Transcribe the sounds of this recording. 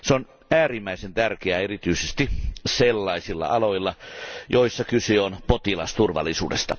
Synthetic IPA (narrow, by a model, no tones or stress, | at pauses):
seon | æːrimːæisent̪ærkeæerit̪yisest̪iselːɑisilːɑ̰ɑloilːɑjoisːɑkyseonpot̪ilɑst̪urʋɑ̰lːˑisṵːdḛst̪ɑ